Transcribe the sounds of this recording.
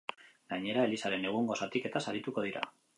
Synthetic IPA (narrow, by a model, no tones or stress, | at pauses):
ɡaɲe̞ɾae̞lisaɾe̞ne̞ɣ̞uŋɡo̞sat̪ike̞t̪asaɾit̪uko̞ð̞iɾa̰